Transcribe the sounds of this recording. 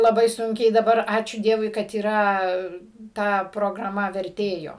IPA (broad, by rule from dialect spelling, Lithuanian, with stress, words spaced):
lˠɐˈbɐɪ ˈsʊŋʲkʲɛɪ dɐˈbɐr ˈɑːt͡ʃʲuː ˈdʲiɛʋʊɪ kɐt iːˈrɐ ˈtɐ proːɡrɐˈmɐ ʋʲɛrʲˈtʲeːjoː